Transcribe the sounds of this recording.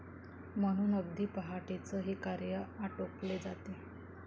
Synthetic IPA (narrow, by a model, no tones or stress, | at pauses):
m̤əɽ̃uːnəb̚d̪ʱiːpəɦaʈet͡səɦekaɾjəaʈokled͡zat̪e